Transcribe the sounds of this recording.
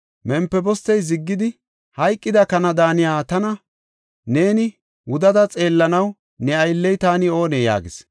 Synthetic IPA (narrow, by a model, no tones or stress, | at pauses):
mɛmpːɛbɔst̪ɛjzɪɡːɪd̪ɪ | hɐjkʼːɪd̪ɐkɐnɐd̪aːnɪjaːt̪ɐnɐ | ne̞ːnɪ | wʊd̪ɐd̪ɐt͡sʼe̞ːlːɐnɐw | nɛɐjlːɛjt̪aːnɪo̞ːnɛja̰ːɡɪs